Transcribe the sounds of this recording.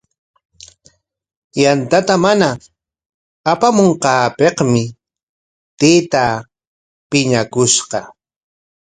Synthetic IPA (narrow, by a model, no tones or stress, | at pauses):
jant̪at̪amana | pamoɴqɑːpeqmɪ | t̪eːt̪a | pɪɲakʊʃqɑ